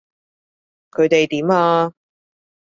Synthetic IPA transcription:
kʰɵ˨˧ɥt̪e˨jt̪iː˨˥maː˧

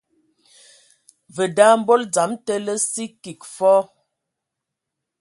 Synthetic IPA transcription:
və˨da˦m̩˦bo˦ld͡za˨˦mtə˦lə˦si˦ki˨kfɔ˦

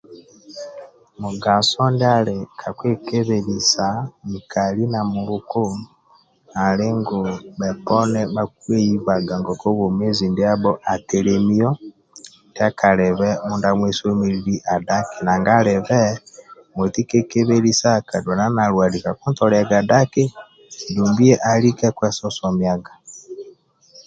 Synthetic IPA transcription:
mu˨ɡa˨sɔ˦nde˦a˦lekʰa˨kwe˦ke˦βe˨lisa˨ni˨kʰa˨li˦na˨muβu˦ko˦ | a˨le˦ŋɡo˨βɛ˨pɔ˦nɛ˦βak̚u˦e˦i˦βa˨ɡa˨ŋɡɔ˨ko˦βo˨me˦zi˨nde˦a˦βɔ˦ʔa˨teɾemi˦ɔ˦ | ndja˦ka˨ɾɛ˨βɛ˦mu˦nda˦mwɛ˦so˦me˦ɾi˦ɾi˦ʔa˨da˦ke˨na˨ŋɡa˦ɾɛ˨βɛ˦mo˨ti˦ke˦ke˦βe˦li˦sa˦ka˨dwa˨na˦na˨ɾwa˨di˨ka˨ku˦ntɔ˨ɾa˨ɡa˨da˦ke˦ | du˨mbi˦ɛ˦ʔa˨li˦kɛ˦kwɛ˦sɔ˦sɔ˨mja˦ɡa˨

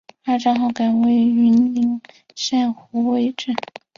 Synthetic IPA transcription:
a˥˩ʈ͡ʂɑ˥ŋxɑ˥˩ka˨˩nwe˥˩ɪy˧˥nli˧˥ŋ | ʂa˥˩nxu˧˥we˥˧ɪʈ͡ʂə˥˩n

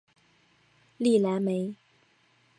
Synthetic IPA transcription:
li˥˨la˨˥nme˨˥ɪ

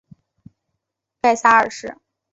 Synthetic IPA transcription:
ka˥˩ɪsa˥ə̰˞˨˩ʂɻ̩˥˩

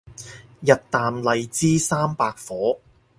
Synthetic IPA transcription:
jɐ˨t̚t̪aː˨mlɐ˨˧jt͡siː˥saː˥mpaː˧k̚fɔː˨˥

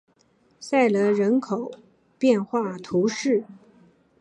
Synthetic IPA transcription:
sa˥˩ɪlə˧ɻə˧˥nkʰo˨˩˦ʊ | pjɛ˥˧nxwa˥˩t̪ʰu˧˥ʂɻ̩˥˩

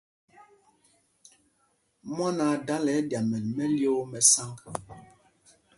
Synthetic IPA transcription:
mɔ˦na˨da˦lɛ˨˦dja˨mɛ˨nmɛ˦ljo˦mɛ˨sa˦ŋk

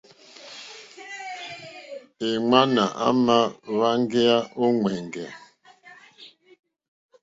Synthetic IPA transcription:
e˨ŋa˦na˨ʔa̰˦ma˦βa˦ŋɡe˦a˦ʔo˦ŋwɛ˨ŋɡɛ˨

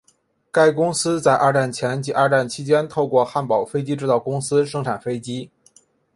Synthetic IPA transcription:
ka˥˧ɪkʊ˥ŋsɹ̩˥t͡sa˥˧ɪʔa˥˧ʈ͡ʂa˥˩nt͡ɕʰjɛ˧˥nt͡ɕi˧˥a˥˧ʈ͡ʂa˥˩nt͡ɕʰi˧˥t͡ɕjɛ˥nt̪ʰo˥˧ʊkwɔ˥˧xa˥˩npɑ˨˩ʊfe˥ɪt͡ɕi˥ʈ͡ʂɻ̩˥˧t̪ɑ˥˩ʊkʊ˥ŋsɹ̩˥ʂɤ˥ŋʈ͡ʂʰa˨˩nfe˥ɪt͡ɕi˥

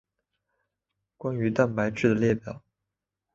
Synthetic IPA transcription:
kwa˥ny˧˥t̪a˥˩npa˧˥ɪʈ͡ʂɻ̩˥˩d̪ə˩ljɛ˥˩pjɑ˨˩˦ʊ

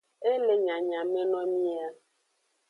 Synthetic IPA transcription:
e˦le˦ɲa˨ɲa˨me˦nɔ˦mi˦a˦

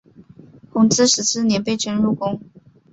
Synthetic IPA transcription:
kʰʊ˧˥ŋt͡sɹ̩˥ʂɻ̩˧˥sʰɹ̩˥˨njɛ˧˥npe˥ɪʈ͡ʂə˥nɻu˥˩kʊ˥ŋ

